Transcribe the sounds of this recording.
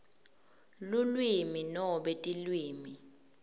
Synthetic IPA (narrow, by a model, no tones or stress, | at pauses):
lulwiminɔɓɛtʼilwiːmi